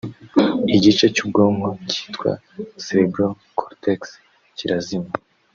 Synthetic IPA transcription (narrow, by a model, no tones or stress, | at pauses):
iɟit͡ʃe̞cub̚ɡo̞ːŋɡoci̥ːtkwa̰ | seɾebɾo | kʰoɾtʰeks | ciɾazima